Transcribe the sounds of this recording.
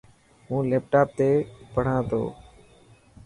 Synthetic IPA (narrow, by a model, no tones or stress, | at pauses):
mũːleːp̚ʈaːp̚t̪eːpəɽ̤ãːt̪o̰ː